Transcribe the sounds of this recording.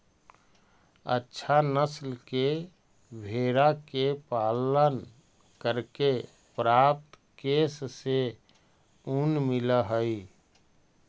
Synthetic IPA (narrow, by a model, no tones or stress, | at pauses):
ə̰tːʃʰanəslke | bʱeɾakepaːlən | kəɾke | pɾap̚t̪ | kesse | unmɪləɦəi